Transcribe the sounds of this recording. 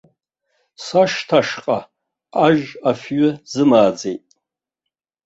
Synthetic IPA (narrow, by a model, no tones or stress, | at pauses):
saʂtʰaʂqʼa | aʒafɥʏzɨmaːd͡ze̞jtʼ